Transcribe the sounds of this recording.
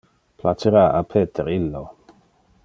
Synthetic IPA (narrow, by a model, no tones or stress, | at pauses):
pʰlat͡ʃeɾaapʰeːt̪ʰeɾilːo